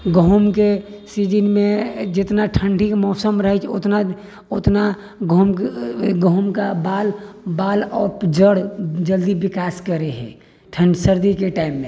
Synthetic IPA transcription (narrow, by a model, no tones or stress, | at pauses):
ɡəɦʊmkesiːd͡ʒənmẽd͡ʒɪt̪naʈʰə̃ɳɖʱikmɔːsəmɾəɦɛt͡ʃʰʊ̰t̪na | ʊt̪na | ɡəmɡəɦʊmkabaːlbaːlɔːpd͡ʒəɽd͡ʒəld̪iʋɪkaːskəɾeɦɛ̰̃ | ʈʰə̃ɳɖsəɾd̪ikeʈaːɪmːẽː